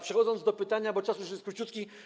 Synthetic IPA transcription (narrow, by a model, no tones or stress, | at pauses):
pʂɛxɔd̪zɔnd̪d̪ɔpɘt̪aɲabɔt͡ʂasujuʂɛskɾut͡ɕut̪kʲi